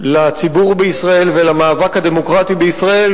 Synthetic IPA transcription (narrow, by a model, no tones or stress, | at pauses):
lat͡sibuʁbeisʁae̞lvelamaːvakhad̪emo̞kʁat̪ibeisʁae̞l